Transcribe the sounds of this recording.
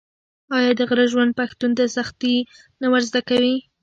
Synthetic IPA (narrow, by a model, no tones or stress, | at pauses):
ɑjɑd̪əɣɾəʒwand̪̚paxt̪und̪əsaxt̪i | nawəɾzd̪akawi